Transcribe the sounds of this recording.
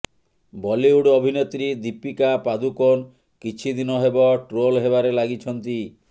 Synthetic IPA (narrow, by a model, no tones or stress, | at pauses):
bɔliuɽɔbʱinet̪ɾid̪ipikapad̪ukon | kit͡ʃʰid̪inɔɦebɔʈɾolɦeβaɾelaɡit͡ʃʰɔnt̪i